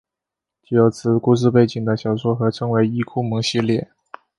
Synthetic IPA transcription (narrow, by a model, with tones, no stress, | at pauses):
t͡ɕy˥˩jo˧˥ʊt͡sʰɹ̩˧˩ku˥˧ʂ̬ɹ̩˥˧p̬e˥˩ɪt͡ɕi˨˩ŋd̪ə˦ɕjɑ˨˩ʊswɔ˥xɤ˧˥ʈ͡ʂʰɤ˧˥ŋwe˧˥ɪi˥kʰu˥˩mɤ˧˥ŋɕi˥˧ljɛ˥˩